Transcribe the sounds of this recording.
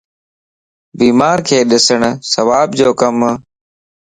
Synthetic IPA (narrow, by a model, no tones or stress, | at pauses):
biːmaːɾkʰeːɗɪsəɳ̃səʋaːbd͡ʑoːkəm